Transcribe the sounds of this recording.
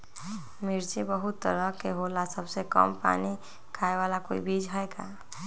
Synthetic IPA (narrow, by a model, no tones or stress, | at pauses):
mɪɾt͡ʃebəɦʊt̪ːə̰ɾəkeɦoːlasəbsekə̰mpa̰ːni | kʰaːeʋaːlakoːḭbiːd͡ʒɦɛeɡa̰ː